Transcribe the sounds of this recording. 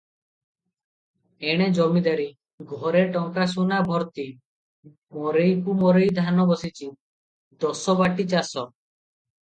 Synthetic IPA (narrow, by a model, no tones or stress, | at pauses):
eɽ̃ed͡ʒɔmid̪aɾi | ɡʱɔɾeʈɔŋkasunabʱɔɾt̪i | mɔɾejkumɔɾejd̪ʱanɔbɔsit͡ʃʰi | d̪ɔsɔbaʈit͡ʃasɔ